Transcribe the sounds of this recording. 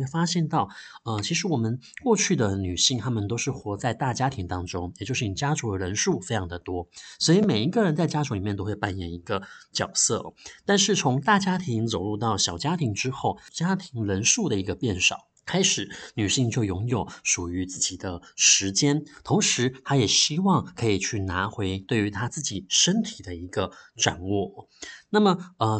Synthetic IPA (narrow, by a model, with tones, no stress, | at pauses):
fa˥ɕjɛ˥˧nt̪ɑ˥˩ʊə˧t͡ɕʰi˧˥ʂ̬ɻ̩˧˥wɔ˨˩mə˦nkwɔ˥˧t͡ɕʰy˥˩d̪ə˩ny˨˩ɕi˥˩ŋt̪ʰa˥mə˨nt̪o˥ʊʂɻ̩˥˩xwɔ˧˥t͡sa˥˧ɪt̪a˥˩t͡ɕja˥t̪ʰi˧˥ŋt̪ɑ˥ŋʈ͡ʂʊ˥ŋjɛ˨˩t͡ɕjʂ̩˥˩i˨˩t͡ɕja˥ʈ͡ʂu˧˥də˨˩ɻə˧˥nʂu˥˩fe˥ɪjʰɑ˧˥ŋd̪ə˨t̪wɔ˥swɔ˧˥i˨˧˩me˨˩ɪi˧˥ɡə˥˧ɻə˧˥nt͡sa˥˩ɪt͡ɕja˥ʈ͡ʂʰu˧˥li˨˩mɛ˥˧t̪o˥ʊxwɪpa˨˩njɛ˨˩ni˧˥ɡə˧t͡ɕjɑ˨˩ʊsɤ̰˥˩t̪a˥˧nʂ̬ɻ̩˥˩t͡sʰʊ˧˥ŋt̪a˥˩t͡ɕja˥t̪ʰi˧˥ŋt͡so˨˩ʊɻu˥˧t̪ɑ˥˩ʊɕjɑ˨˩ʊt͡ɕja˥t̪ʰi˧˥ŋʈ͡ʂɻ̩˥xo˥˩ʊt͡ɕja˥t̪ʰi˧˥ŋɻə˧˥nʂu˥˩d̪ə˩i˧˥ɡə˧pjɛ˥˩nʂɑ˨˩˦ʊkʰa˥ɪʂɻ̩˨˩˦ny˨˩ɕi˥˧ŋt͡ɕjo˥˩ʊjʊ˧˥ŋjo˨˩ʊʂu˨˩y˧˥t͡sɹ̩˥˩t͡ɕi˨˩d̪ə˦ʂɻ̩˧˥t͡ɕjɛ˥nt̪ʰʊ˧˥ŋʂɻ̩˧˥t̪ʰa˥jɛ˨˩ɕi˥wɑ˥˩ŋkʰɤ˧˥i˨˩t͡ɕʰy˥˩na˧˥xwe˧˥ɪt̪we˥˩ɪy˧˥t̪ʰa˥t͡sɹ̩˥˩t͡ɕi˨˩ʂə˥nt̪ʰi˨˩d̪ə˦i˧˥ɡə˧ʈ͡ʂa̰˨˩nwɔ˥˩na˥˩mə˩ə˧